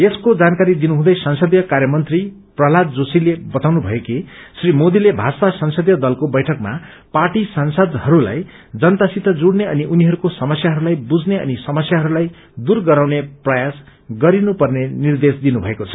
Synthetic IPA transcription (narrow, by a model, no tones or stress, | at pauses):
eskod͡zankaɾid̪inuɦũd̪ʌjsʌnsʌd̪jʌkarjʌmʌnt̪ri | prʌɦlad̪d͡zosilebʌt̪awnubʱʌjekesrimod̪ilebʱasasʌnsʌd̪jʌd̪ʌlkobʌjʈʰʌkma̰ | paʈisʌnsʌd̪hʌɾula̰j | d͡zʌnt̪asit̪ʌd͡zuɽneʌniʔuniɦʌɾukosʌmʌsjaɦʌɾulajbud͡zneʌ̰nisʌmʌsjaɦʌɾulaj | d̪urɡʌɾawneprʌjas | ɡʌɾinupʌrnenird̪esd̪inubʱʌekot͡sʰʌ̥